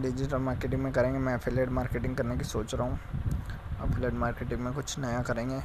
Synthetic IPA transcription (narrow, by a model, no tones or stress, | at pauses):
ɖɪd͡ʒɪʈəlmaːɾkeːʈɪ̃ŋɡmẽkɐɾẽːŋɡemɛ̃ɛpʰeleːɖmaːɾkeːʈɪ̃ŋɡkɐɾnekisoːt͡ʃɾaɦũ | ɐpʰeleːɖmaːɾkeːʈɪ̃ŋɡmẽkʊt͡ʃʰnɐjakɐɾẽːŋɡeː